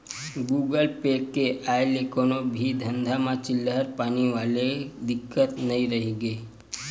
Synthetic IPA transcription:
ɡuːɡəlpekːeʔajlikonobʱid̪ʱənd̪ʱamat͡ɕilːəəɾpañiʋaled̪ikːət̪nəiɾəɦiɡe

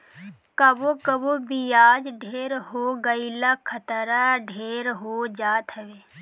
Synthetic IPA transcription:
kəbokəbobijaːd͡ʒɖʱeːɾɦoɡəilakʰət̪ɾaɖʱeːɾɦod͡ʒaːt̪ɦɛʋeː

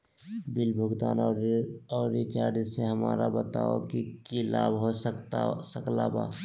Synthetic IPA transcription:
bɪlbʱʊɡt̪aːn | ɔːɾːit͡ʃaːɾd͡ʒseɦəmaːɾabət̪aːo̰kikilaːbɦoəkt̪səkla̰ba̰ː

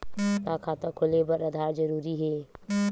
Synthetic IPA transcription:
t̪aːkʰaːt̪əkʰʊlebəɾəd̪ʱaːɾd͡ʒəɾuːɾiɦɛː

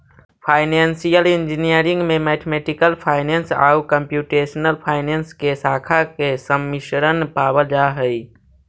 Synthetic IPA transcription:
pʰaːɪneːnsijəlɪnd͡ʒinijəɾɪ̃ŋɡmẽmɛːʈʰemeːʈɪkəlpʰaːɪneːnsa̰ːukəmpjuːʈeːʃnəlpʰaːɪneːnskesaːkʰakesəmːɪʃɾənpaːbəld͡ʒaɦəi

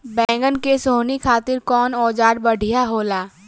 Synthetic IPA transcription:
bɛ̃ːŋɡənkesoːnikʰaːt̪ɪɾkɔːnɔːd͡ʒaːɽbɐɽ̤ʱijaɦoːlaː

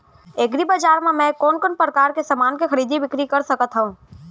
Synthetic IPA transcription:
eːɡɾibɐd͡ʒaːɾmẽmɛ̃ːkɔːnkənpɾəkaːɾkesamaːnkexɐɾiːd̪ibɪkɾikɐɾsɐkət̪ɦəũː

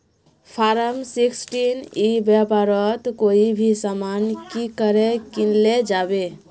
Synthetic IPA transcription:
pʰaɾəmsiksʈinibjapaɾət̪koibʱisamankikəɾɛkinled͡ʒabe

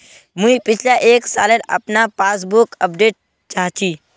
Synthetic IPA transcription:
muĩpɪt͡ʃʰlaʔeːksa̰ːlenɐ̰pnapaːs̬bʊkəpɖeːʈ̚ | t͡ʃaɦt͡ʃʰi

